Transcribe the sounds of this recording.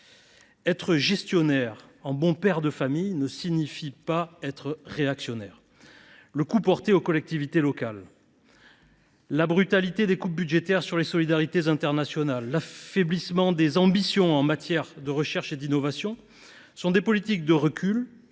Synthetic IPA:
ɛt̪χəʒɛst̪jɔnɛʁɑ̃bɔ̃pɛʁd̪əfamijnəsiɲifipaɛt̪χəʁeaksjɔnɛʁ | ləkupɔʁt̪eokɔlɛk̚t̪ivit̪elɔkal | abʁyt̪alit̪ed̪ekup̚byd̪ʒet̪ɛʁsyʁlesɔlid̪aʁit̪ezɛ̃t̪ɛʁnasjɔnalːafeblismɑ̃d̪ezɑ̃bisjɔ̃ɑ̃mat̪jɛʁd̪əʁəʃɛʁʃed̪inɔvasjɔ̃ | sɔ̃d̪epɔlit̪ik̚d̪əʁəkʰʲyl

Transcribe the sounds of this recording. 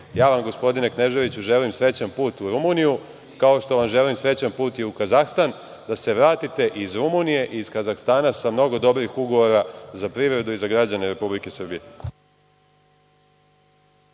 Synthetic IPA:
jaːʋamɡo̞spo̞d̪ine̞kne̞ʒe̞ʋit͡ɕuʒe̞limsɾe̞t͡ɕanpuːt̪uɾumuniju | kao̞ʃt̪o̞ʋamʒe̞limsɾe̞t͡ɕanpuːt̪iukazaxst̪an | d̪ase̞ʋɾaːt̪it̪e̞ʔizɾumunije̞ʔiːz̥kazaxst̪aːnasamno̞ɡo̞d̪o̞bɾixuɡo̞ʋo̞ɾazapɾiʋɾe̞d̪uizaɡɾad͡ʑaneɾe̞publike̞sr̩bije

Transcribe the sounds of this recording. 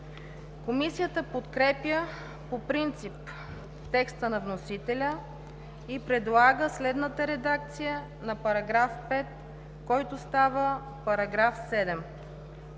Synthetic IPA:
komisijət̪əpot̪kɾɛpjə | popɾint̪sip | t̪ɛkst̪ənɐvnosit̪ɛlʲə | ipɾɛd̪lˠaɡəslɛd̪nət̪əɾɛd̪ak̚t̪sijə | nɐpɐɾɐɡɾafpɛt̪̚ | kɔjt̪ʊst̪avə | pɐɾɐɡɾafsɛd̪ɛm

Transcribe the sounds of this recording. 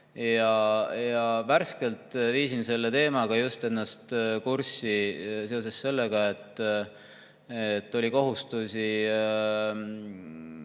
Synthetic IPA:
jɑjɑvæɾske̞lt̪viːsinse̞lːe̞t̪e̞ːmɑɡ̥ɑjust̪e̞nːɑst̪kursise̞ose̞sːe̞lːeɡ̥ɑe̞t̪ːˑ | et̪ːo̞lʲiko̞ɦust̪usi

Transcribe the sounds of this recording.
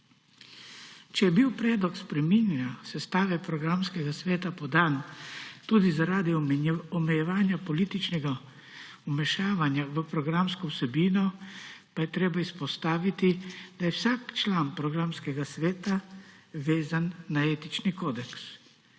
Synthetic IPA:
t͡ʃɛjɛbiwpɾɛːd̪lɔkspɾɛminjasɛst̪aːʋɛpɾɔɡɾamskɛɡasʋeːt̪apɔd̪aːnt̪uːd̪izaɾaːd̪iɔmɛjɛʋaːnjapɔliːt̪it͡ʃnɛɡa | umɛʃaːʋanjaʋəpɾɔɡɾamskɔwsɛbiːnɔpajɛt̪ɾeːbaispɔst̪aːʋit̪id̪̥ajɛwsaːkt͡ʃlaːnpɾɔɡɾamskɛɡasʋeːt̪aʋeːzanːaeːt̪it͡ʃnikoːd̪ɛks

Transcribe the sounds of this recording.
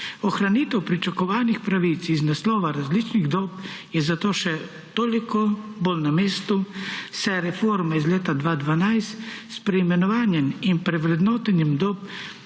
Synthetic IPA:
ɔxɾaniːt̪ɛwpɾit͡ʃakɔʋaːnixpɾaʋit̪siznaslɔːʋaɾazlit͡ʃniɣd̪ɔːpjɛzat̪oːʃɛ | t̪oːlikɔboːlnameːst̪usɛɾɛfoːɾmaizlʲeːt̪ad̪ʋaːd̪ʋanajst̪spɾɛimɛnɔʋaːnjɛminpɾɛʋɾɛd̪nɔːt̪ɛnjɛmd̪ɔːp̚

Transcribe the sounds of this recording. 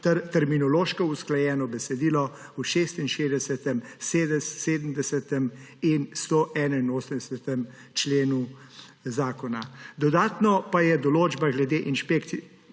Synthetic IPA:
t̪ɛɾminɔloːʃkɔusklajɛːnɔbɛsɛd̪iːlɔ | uʃeːst̪inʃeːzd̪ɛsɛt̪ɛmsed̪ɛseːd̪əmd̪ɛsɛt̪ɛminst̪oʔɛːnainoːsəmd̪ɛsɛt̪ɛm | t͡ʃleːnu | zaːkɔnad̪ɔd̪aːt̪nɔpajɛd̪ɔloːd͡ʒbaɡlɛd̪eʔinʃpekt̪si

